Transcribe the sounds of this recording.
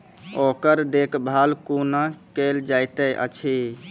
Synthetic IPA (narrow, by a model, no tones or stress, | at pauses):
okəɾd̪ekʰbʱalkunakeld͡ʒajt̪əʔə̰t͡ʃʰi